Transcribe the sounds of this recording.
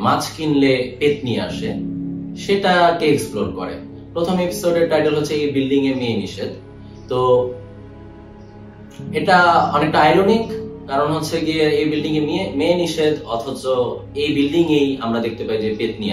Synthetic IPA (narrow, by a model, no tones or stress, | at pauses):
mat͡ɕkinlepet̪̚niea̰ʃeʃeʈaʈeeksploɾkɔ̰ɾḛ | pɾot̪ʰomepi̥soɖeɾʈajʈelɦotːɕʰeejbilɖiŋemeniʃed̪ | t̪o | eʈaɔnek̚ʈaajɾonikkaɾonɦotːɕʰed͡ʑeejbilɖiŋemimeniʃed̪ɔt̪ʰot͡ɕoejbilɖiŋejamɾad̪ek̚ʰt̪epaid͡ʑepet̪ni